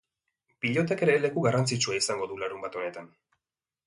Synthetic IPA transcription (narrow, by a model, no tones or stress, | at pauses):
piʎo̞t̪ake̞ɾe̞le̞kuɣarant͡sit͡ʃuaisaŋɡo̞ðulaɾumbat̪o̞ne̞t̪an